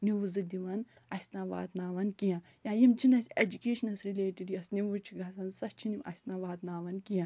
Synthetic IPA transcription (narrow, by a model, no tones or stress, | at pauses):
niʋuzɨd̪ʲiʋɐn | ɐsʲnaːʋa̰ːt̪naːʋɐnkijã | jãːjimt͡ʃʰinɐsʲed͡ʒukʲeːʃɐnɐsɾileːʈiɖjɐsniʋut͡ʃʰiɡʱɐsɐnsɐst͡ʃʰinimʔɐ̰sʲnaːʋaːt̪naːʋɐnkijã